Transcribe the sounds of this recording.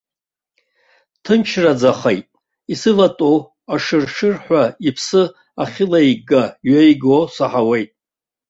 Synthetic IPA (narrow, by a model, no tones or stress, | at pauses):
tʰɨmt͡ʃʰrad͡zaχejtʼ | isɨlatʼow | aʂɨrʂɨrħʷᶣaipʰsɨ | a̰χʲɪlajɡaɥajɡosaħawejtʼ